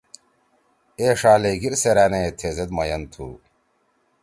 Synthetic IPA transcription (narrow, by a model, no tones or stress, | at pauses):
eːʂaːleɡiɾseɾæːnet̪ʰeːzed̪mɐjɐnt̪ʰṵ